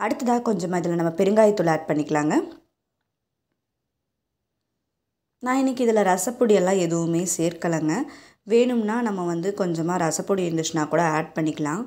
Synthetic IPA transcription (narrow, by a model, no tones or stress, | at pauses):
ɐɽɯt̪ːɐðaːɐkɔɲd͡ʒɐmːaːɪðɪlːɐnɐmːɐpɛɾɯŋɡaːjɐt̪ːɯlaːɖ̚pɐɳːɪkːɐɭaːŋɡɐ | nãːɪnːɪkːɯɪðɪlɐɾɐsɐpːʊɽɪjɛlːãːɛðɯʋɯmeːseːɾkɐɭɐŋɡɐ | ʋeːɳɯmnaːnɐmːɐʋɐnd̪ɯkɔɲd͡ʒɐmaːɾɐsɐpːʊɽɪjɪnd̪ɪʂnaːkuːɽɐaːɖ̚pɐɳːɪkːɐɭãː